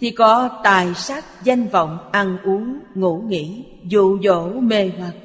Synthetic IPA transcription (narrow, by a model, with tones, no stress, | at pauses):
t̪ʰi˨˩kɔ˨˦t̪aː˨˩jsa˦˥k̚za˧jŋ̟və̰˧˨wŋ͡mʔa˧nʔu˨˦əŋŋṵ˧˥ŋḭ˧˥ | zṵ˧˨zo̰˧˩˨me˨˩ma˨˩k̚